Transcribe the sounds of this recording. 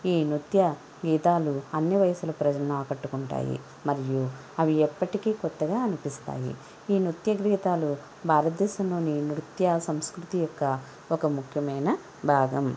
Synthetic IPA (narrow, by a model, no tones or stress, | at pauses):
iːnut̪jɐ | ɡiːt̪aːluɐnːiʋɐjɐsulɐpɾɐd͡ʒɐlɐnaːkɐʈːukuɳʈa̰ːjḭ | mɐɾiju | ɐʋiɛpːɐʈikiːkɔt̪ːɐɡaːɐnipist̪a̰ːjḭ | iːnut̪jɐɡɾiːt̪aːlu | bʱaːɾɐt̪̚d̪ɛːsɐmlo̞ːninɾut̪jɐsɐmskɾut̪ijɔkːɐ | okɐmukʰjɐmɐjnɐ | bʱaːɡɐm